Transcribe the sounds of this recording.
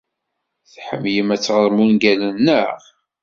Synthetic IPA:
θħə̰mjəmæt͡sːʁəɾˤmunɡælənːəʁ

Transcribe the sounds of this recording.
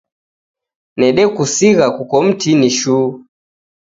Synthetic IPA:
nɛɗɛkusiɣakukɔm̩tʰiniʃuː

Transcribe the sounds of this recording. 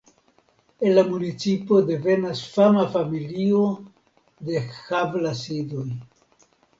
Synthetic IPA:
enlamunit͡sipo̞de̞ve̞nasfamafamilio | de̞xavlasidoj

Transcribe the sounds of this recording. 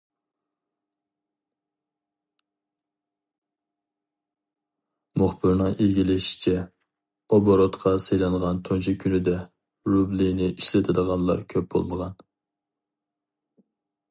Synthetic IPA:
mʊχbɨɾnɨŋʔiɡʲilɪʃi̥t͡ʃʰɛ | oboɾot̪qʰɑsejlɛnʁɑnt̪ʰont͡ʃʰikʲʰynɪd̪ɛ | ɾublinɪʔiʃlɪt̪ʰɪd̪əʁɑnlˠɑ̰ɾkʲʰøp̚bo̰lˠməʁɑn

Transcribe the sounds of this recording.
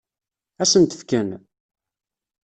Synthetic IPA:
æsənt̪ə̥fkən

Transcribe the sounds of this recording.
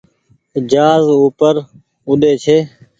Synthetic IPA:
ɪd͡ʒaːzuːpəɾ | ʊɗ̪eːt͡ʃʰeː

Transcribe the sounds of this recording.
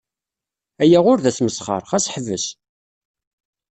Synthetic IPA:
æjæʁʊɾðæθməsχə̰ɾˤχæsħəvəs

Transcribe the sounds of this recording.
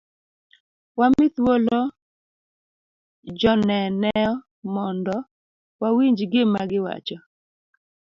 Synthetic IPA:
wamɪt̪wolo | d͡ʒɔnɛnɛɔ | mɔndɔ | wawiɲd͡ʒɡɪmaɡɪwa̰t͡ʃɔ

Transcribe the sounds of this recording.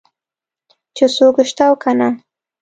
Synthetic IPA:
t͡ʃesokʃt̪awkʰana

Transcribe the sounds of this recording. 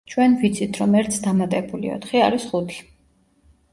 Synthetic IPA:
t͡ʃʰwɛnvit̪sʰit̪ʰɾɔmɛɾt̪sʰd̪amat̪ʼɛbulḭɔ̰t̪χiaɾisχut̪ʰi̥

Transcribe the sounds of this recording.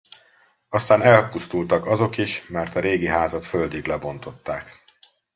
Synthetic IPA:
ɒst̪aːnɛlpust̪ult̪ɒkɒzo̞kiʃmɛrt̪ɒɾeːɡiɦaːzɒt̪fø̞ld̪iɡlɛbo̞nt̪o̞t̪ːaːk

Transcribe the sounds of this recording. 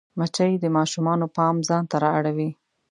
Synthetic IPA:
mat͡ʃajd̪əmɑʃumɑnopɑmzɑnt̪aɾɑaɽawi

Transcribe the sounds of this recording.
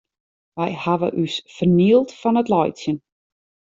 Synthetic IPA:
ʋɛjhaʋə̰ʔysfərniəlˠtfɔnətlɔjtsjən

